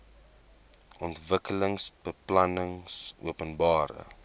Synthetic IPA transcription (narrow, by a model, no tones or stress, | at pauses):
ʔɔntvəkələŋsb̥əplɐnəŋsuəpənbɑːɾə̰